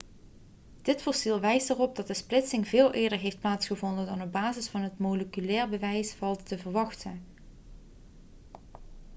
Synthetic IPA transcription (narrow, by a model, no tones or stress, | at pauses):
d̥ɪtfɔɹsilˠʋɛjstərɔb̚dɑt̚dəsplɪtsɪŋvɪːlˠʔɪːɹdəɹɦejft̚plaːtsχəvɔndəndɑnɔb̚baːzɪsfɑnɦətmoləkylɛːɹbəʋɛjsfɑlˠtːəvəɹʋɑχtən